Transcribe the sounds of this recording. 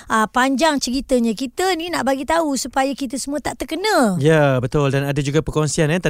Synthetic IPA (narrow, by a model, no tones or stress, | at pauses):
əpaɲd͡ʒaŋt͡ʃəɾit̪əɲãkit̪əninaʔbaɡit̪ausupajakit̪əsəmũət̪aʔt̪ərkənə̃jabət̪ʊldanadad͡ʒuɡapərkɔŋsianant̪a